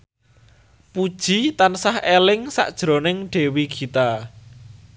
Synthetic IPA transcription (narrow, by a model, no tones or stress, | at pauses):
pud̥ʒ̥i̤t̪ansahelɪŋsa̰ʔd̥ʒ̥ɾo̤nɪŋɖ̥e̤wiɡ̥i̤t̪a